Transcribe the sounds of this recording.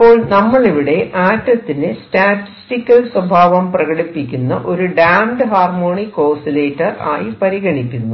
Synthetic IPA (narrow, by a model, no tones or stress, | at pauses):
pːo̞ːɭnɐmːɐɭeʋiɽe̞ʔaːtːɐt̪ːinestaːʈːi̥stikʲːɐlswɐbʱaːʋɐmprɐɣɐɽipːikʲːunːɐʔo̞ɾuɖaːmɖɨɦaːrmo̞ːɳikoːsileːʈːɐra̰ːjipɐɾiɣɐɳikʲːunːu